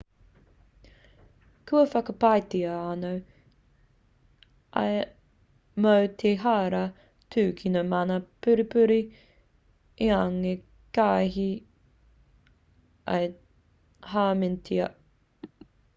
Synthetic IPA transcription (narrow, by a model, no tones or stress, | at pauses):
kʰʉɐfɐkɐpajtiɐɐnow | ʔɐ̰j | mowtʰeɦaːɾɐ | tʰʉːkʰinomɐnɐpʉɾipʉɾi | iaŋe | kaːɦi | ɐ̰j | haːmɪntʰiɐ